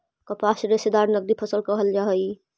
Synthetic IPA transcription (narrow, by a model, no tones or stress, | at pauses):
kəpasɾesed̪aɾnəɡ̚d̪ipʰəsəlkəɦəld͡ʒaɦəi